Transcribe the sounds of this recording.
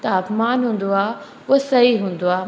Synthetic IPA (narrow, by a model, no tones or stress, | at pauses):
t̪ɐaːpmaːnɦũːn̆d̪oaː | ʊsɐɦiɦũːnd̪oaː